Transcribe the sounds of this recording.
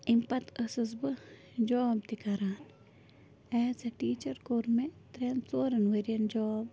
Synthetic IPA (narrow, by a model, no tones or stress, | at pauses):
impɐt̪ʰɐsɨsbɨ | d͡ʒɔːbt̪ikaɾaːn | ɛːsɐʈiːt͡ʃɐɾkoːɾmet̪ɾensoːɾɐnʋeɾiɐnd͡ʒɔːb